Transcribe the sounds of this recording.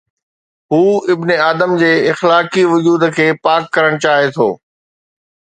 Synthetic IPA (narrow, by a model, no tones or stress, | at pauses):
ɦuːɪbneaːd̪əmd͡ʑeːɪxlaːkiʋʊd͡ʑuːd̪kʰeːpaːkːɐɾəɽ̃t͡ɕaːɦet̪ʰo̰ː